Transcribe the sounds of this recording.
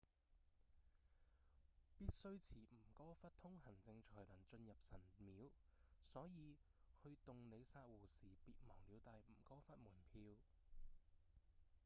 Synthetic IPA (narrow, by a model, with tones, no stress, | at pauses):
piː˥t̚sɵ˥ɥt͡sʰiː˨˩m̩˨˩kɔː˥fɐ˥t̚t̪ʰʊ˥ŋɦɐ˨˩ŋt͡sɪ˧ŋt͡ʃʰɔː˨˩jlɐ˨˩nt͡ʃɵ˧njɐ˨p̚sɐ˨˩nmiː˨˧˥wsɔː˨˥jiː˨˧hɵ˧ɥt̪ʊ˨ŋne˨˧jsaː˧t̚wuː˨˩siː˨˩piː˧˨t̚mɔː˨˩ŋliː˨˧wt̪aː˨˧jm̩˨˩kɔː˥fɐ˥t̚muː˨˩npʰiː˧w